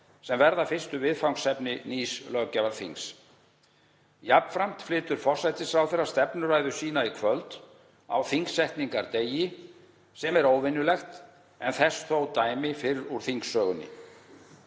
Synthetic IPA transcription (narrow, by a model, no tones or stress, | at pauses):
sɛmvɛɾðafɪr̥st̪ʏvɪðfawŋsɛpnɪniːslœɣcavaɾθḭŋs | jap̪fɾam̥t̪flɪːt̪ʏɾ̥fɔr̥sajt̪ɪsfɾawθɛɾːḁst̪ɛpnʏɾaːjðʏsiːn̪aikʰvœlt̪ | a̰wθiŋsɛht̪niŋkaɾt̪eːjɪ | sɛmɛɾoːwvɪnːʏlɛxt̪ | ɛnθɛsθowt̪aːjmɪfɪɾɪɾuɾ̥θiŋksːœːɣʏnːɪ̰